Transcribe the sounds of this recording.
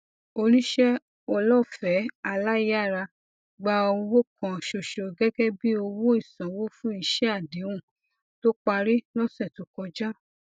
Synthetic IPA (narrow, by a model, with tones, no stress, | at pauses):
o˧ɾi˦ʃɛ˦ | ɔ˧lɔ˦˨fɛ˨˦a˧la˦i˦a˦˨ɾa˧ | ɡ͡ba˧o˧wo˦kã˧˨ʃo˧ʃo˧ɡɛ˦ɡɛ˦bi˦o˧wo˦i˦˨sã˨wo˦fũ˦i˧ʃɛ˦a˦˨di˨˦wũ˦˨ | to˦k͡pa˧ɾi˦lɔ˦sɛ˦˨to˨˦kɔ˧d͡ʒa˦